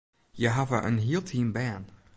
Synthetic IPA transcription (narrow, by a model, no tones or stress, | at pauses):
jəɦavəʔə̰̃nɦilˠtʰĩmbæ̃n